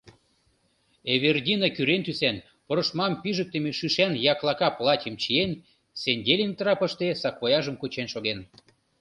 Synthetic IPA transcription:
eβerdʲinɑkyɾent̪ysæn | poɾŏʃmɑmpiʒək̚t̪emeʃyʃænjɑklɑkɑplˠɑtʲəmt͡ɕien | senʲdʲelʲint̪ɾɑpə̆ʃt̪esɑkβojɑʒəmkut͡ɕenʃoɣen

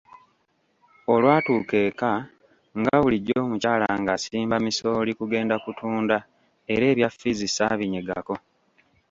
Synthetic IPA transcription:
o̞lwaːtuːke̞ːka | ŋɡaβuliɟo̞ːmucaːlaŋɡasiːmbamiso̞ːlikuɡe̞ːndakutʰuːnda | e̞ɾe̞ːβjafːizisaːβiɲeɡa̰ko̞

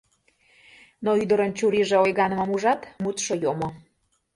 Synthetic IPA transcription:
noyd̪ə̆ɾənt͡ɕuɾiʒĕojɣɑnə̆məmuʒɑt̪mut̪ʃojomo

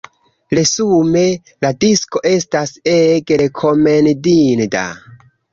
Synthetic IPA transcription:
ɾe̞sume̞ | ladisko̞ʔe̞staseɡɾekʰo̞me̞ndinda̰

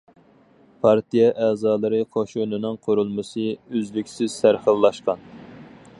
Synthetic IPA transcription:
pʰɑɾt̪ijɛʔɛːzɑːlˠɨɾɨqʰoʃunɨnɨŋqʰʊɾulˠmɨsɨøzlɪkʲsɪz̥sʰæɾχəlˠːɑʃqɑn

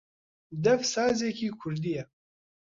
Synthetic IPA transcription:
d̪ɐfsaːzekiːkʰʊɾd̪ijɛ

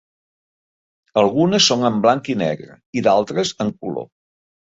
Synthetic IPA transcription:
əlˠɣunəsːoŋəmblaŋkinɛ̰ɣɾə̰ | iðalˠt̪ɾəzəŋkulo̰

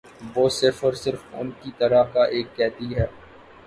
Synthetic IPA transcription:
boːsɪfəɾsɪɾfʊ̰nkit̪ɐɾakaʔeːkːɛːɦt̪iɦɛː

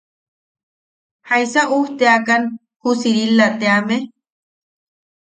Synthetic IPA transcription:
hajsaʔuht̪eakan | husiɾilːat̪eame

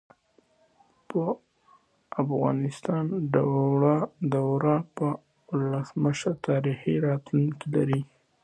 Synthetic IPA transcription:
pə | afɣɑ̰nɪst̪ɑnɖaɽaɖ̪awɾapə | ʊləsməʃəɾt̪ɑɾixiɾɑt̪luŋkilaɾi

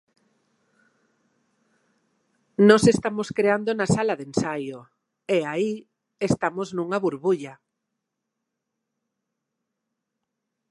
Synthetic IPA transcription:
nɔsest̪amoskɾeand̪onasalaðensajo | eai | est̪amoznuŋaβuɾβuʎa

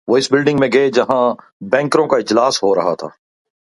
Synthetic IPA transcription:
ʋoːɪsbɪlɖɪ̃ŋɡmẽɡɐed͡ʒɐɦã | bɛ̃ːŋkɾõkaɪd͡ʒlaːsɦoɾɐɦa̰t̪ʰa̰ː

